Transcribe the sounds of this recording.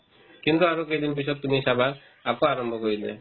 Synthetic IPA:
kint̪uaɾukejd̪inpisɔt̪t̪ːuniisabʱaː | kɔaɾɔmbʱɔkɔilḛ

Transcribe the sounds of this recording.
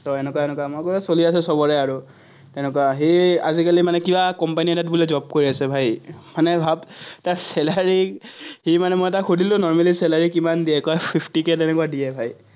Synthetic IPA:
tɔɛnɛkaɛnɛkwamojkɔɔsoliasɛsɔbɔɹɛaɹu | tɛnɛkwaɦeazikalimanɛkibakɔmpaniɛtat̚bulɛzɔp̚koɹiasɛbʱajmanɛbʱabtasɛlaɹihimanɛmojɛtaxudʱilʊ̃nɔɹmalisɛlaɹikimandiɛkɔjpʰipʰtikɛtɛnɛkuadijɛbʱaj

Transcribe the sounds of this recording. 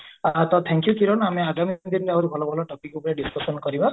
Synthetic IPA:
at̪ɔt̪ʰɛŋkjukiɾɔnameaɡamid̪inɾeawɾubʱɔlɔbʱɔlɔʈɔk̚ikupɔneɖiskɔsɔnkɔɾiba

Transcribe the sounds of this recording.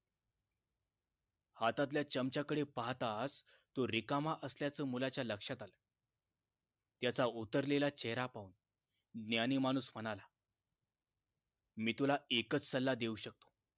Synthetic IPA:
hat̪at̪̬ljat͡ɕəmt͡ɕakəɽepaɦt̪as | t̪oɾikamaʔəsljat͡səːmulat͡ɕjaləkʂat̪alə | t̪jat͡saut̪əɾlelat͡ɕɛɦɾapaun | d̪njanimañuːsm̤ənala | miːt̪ulaekət͡ssəlːad̪euɕək̚t̪o̥

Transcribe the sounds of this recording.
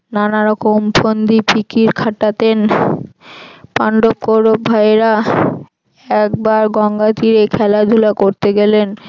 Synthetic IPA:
nanaɾɔkomfʰond̪ipikiɾkʰaʈat̪en | paɳɖop̚koɾobbʱaeɾa | ɛk̚baɾɡɔŋɡat̪iɾekʰɛlad̪ʱulakoɾt̪eɡelen

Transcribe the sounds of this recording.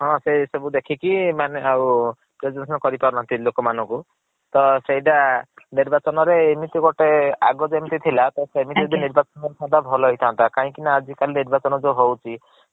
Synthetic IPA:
ɦɔ̃sesebud̪ekʰikimaneaw | pɾed͡ʒensɔnkɔɾipaɾunãnt̪ilokɔmanɔŋku | t̪ɔsejʈaniɾbat͡ʃɔnɔɾeːmit̪iɡɔʈea̰ɡɔd͡ʒemit̪it̪ʰilat̪ɔseemit̪ed̪iniɾbat͡ʃɔnɔɾsad̪ʱabʱɔlɔɦit̪ʰant̪akaɦĩkinaːd͡ʒikaliniɾbat͡ʃɔnɔd͡ʒoɦowt͡ʃʰi

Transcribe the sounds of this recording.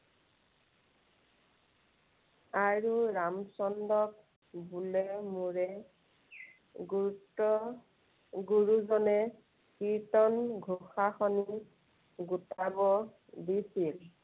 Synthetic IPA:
aɹuɹamsɔndɔk̚ | bulɛmuɹɛ | ɡtɔ | ɡuɹuzɔnɛ | kiɹtɔnɡʱuxaxɔni | ɡutabɔ | disil

